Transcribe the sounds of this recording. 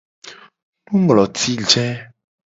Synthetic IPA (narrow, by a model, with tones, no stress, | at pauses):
nũ˦ŋɡlɔ˨t̪ʰi˦d͡ʒɛ̃˦